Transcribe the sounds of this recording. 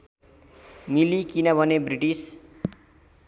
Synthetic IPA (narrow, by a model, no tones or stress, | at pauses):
milikinʌbʱʌnebriʈis